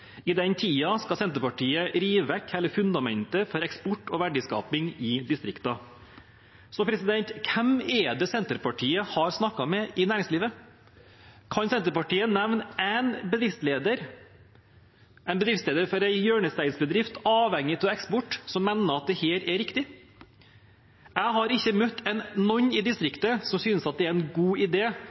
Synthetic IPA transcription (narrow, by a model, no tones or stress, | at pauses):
ɪd̪ɛnt̪ʰiːɑskɑsɛnt̪əɾpɑʈʰiːəɾiːʋəʋɛkːhɛlːəɾfʉnd̪ɑmɛ̰nt̪əfɔɾɛkspɔʈːɔʋæɖɪskɑ̰ːpɪŋɪd̪ɪst̪ɾɪkt̪ɑ | sɔpʰɾɛsɪd̪ɛnt̪kʰɛmɛd̪ɛsɛnt̪əɾpɑʈʰiːəhɑɾsnɑkːɑmɛʔɪnæːɾɪŋsliːʋə | kʰɑnsɛnt̪əɾpɑʈiːənɛʋnæɪnbəd̪ɾɪft̪sleːd̪əɾ | ʔæɛɪnbəd̪ɾɪftsleːd̪əɾfɔɾæɪjøːɳəst̪æɪsbəd̪ɾɪft̪ɑːʋhɛŋːɪt̪ʰɪlɛkspɔʈːsɔmːɛnːəɑt̪̚d̪ɛheːɾɛɾɪkt̪ɪ | æɪɦɑɾɪçːəmœt̪ːɛnnɔɲːɪd̪ɪst̪ɾɪkt̪əsɔmsyːnəsɑt̪̚d̪ɛæɾɛɪnɡuːɪd̪eː